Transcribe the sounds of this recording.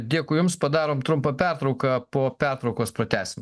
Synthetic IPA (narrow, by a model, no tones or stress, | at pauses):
d̪ʲiɛkʊjʊmspɐd̪ɑːɾoːmt̪ɾʊmpɐpʲɛɾt̪ɾɒʊkɐpoːpʲɛɾt̪ɾɐʊkoːspɾɐt̪ʲæːsʲɪmʲ